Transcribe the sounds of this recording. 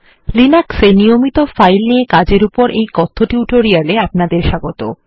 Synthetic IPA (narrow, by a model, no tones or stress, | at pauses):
linaksenijomit̪ofajlniekad͡ʑeɾupoɾʔejkɔt̪ʰːoʈijuʈoɾialeapnad̪eɾʃaɡot̪o